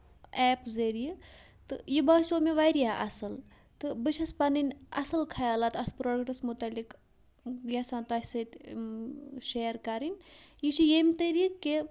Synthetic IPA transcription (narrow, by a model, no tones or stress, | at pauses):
ɛːpzɐɾiji | t̪ɨjibasoːmeʋajɾjaʔɐsɐl | t̪ɨbɨʃɐspɐninʲɐ̰sɐlkʰɐjaːlaːt̪ɐspɾoːɖkʈɐsmut̪ɐlik | jasaːnt̪aːsɐt̪ʲ | ʃeːɾkɐɾinʲjiʃijemt̪ɐɾikːe